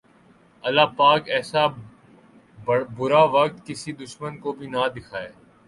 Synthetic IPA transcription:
ɐlaːpaːkɛːsa | bʊɾaʋɐk̚t̪kɪsid̪ʊʃmənkobʱinad̪ɪkʰaːeː

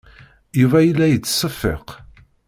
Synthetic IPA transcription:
juvæjəlːæjət͡sːsˤːəfːḛq

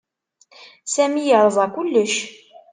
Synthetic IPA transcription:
sæmijəʕɾˤəzˤɑkʷʊlːəʃ

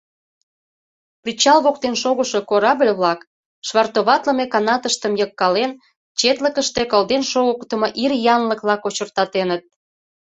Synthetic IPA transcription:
prit͡ɕɑlβokt̪enʃoɣəʃo̽koɾɑblʲβlɑk | ʃβɑrt̪oβɑt̪lə̆mekɑnɑt̪əʃt̪əmjəkːɑlen | t͡ɕet̪ləkəʃt̪ekəld̪enʃoɣəkt̪ə̆moʔirjɑnləklɑkot͡ɕərt̪ɑt̪enət̪̚

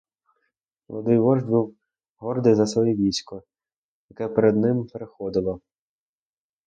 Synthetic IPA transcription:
lˠɔ̰d̪ɪjʋɔʒbuw | ɦɔrd̪ɪjzɐsʋɔjiʋʲisʲkɔ | jɐkɛpeɾed̪nɪmpeɾexɔd̪ɪlˠɔ

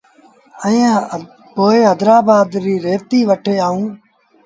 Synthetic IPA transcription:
ə̃ | poːeːɦəd̪ɾaːbaːd̪ɾiːɾeːt̪iːʋəʈʰeːaːũː

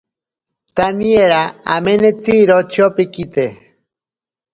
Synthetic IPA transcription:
t̪anieɾaamenet͡siɾot͡ʃʰiopikit̪e

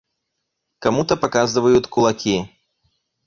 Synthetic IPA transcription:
kamut̪ɐpakazɨvɐjut̪ʲkulˠakʲi

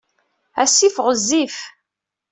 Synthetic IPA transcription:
æsːifʁəzːif

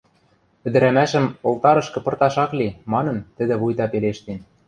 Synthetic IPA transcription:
pɘ̆d̪ɘ̆ɾæmæʃɘ̆molt̪ɑɾɤ̆ʃkɤ̆pɤ̆rt̪ɑʃɑklimɑnɤ̆nt̪ɘ̆d̪ɘ̆βujt̪ɑpeleʃt̪en

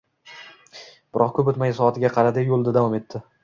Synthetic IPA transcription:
b̥ɪɾɒqkʰɵpʊt̪majsɒat̪ʰɪɡʲaqʰɑɾad̪ɪjolˠd̪ɪd̪avɒme̞t̪ːɪ

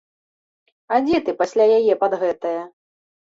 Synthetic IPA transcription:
ad͡zʲɛt̪ɨpasʲlʲajajɛpad̪ɣɛt̪ɐjɐ

